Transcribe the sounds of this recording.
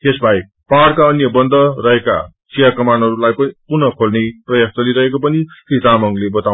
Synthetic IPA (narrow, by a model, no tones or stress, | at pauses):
kesbʱaj | paɾkaʌnjʌbʌnd̪ʌɾʌɦeka̰ | sijakʌmanɦʌɾulajpʌipurnʌkʰolneprʌjak̚tʌliɾʌɦekopʌnikɾitamʌŋlebʌt̪a